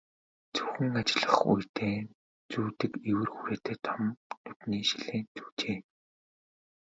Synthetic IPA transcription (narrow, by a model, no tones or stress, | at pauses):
t͡sɵxɘ̆ŋat͡ɕɪ̆ɮə̥̆χṵjt̪ʰeː | t͡suːt̪ɘ̆kewɘ̆rxuɾeːt̪ʰeːt̪ʰɔmnɵt̪niːʃiɮeːnt͡su̥ːt͡ɕeː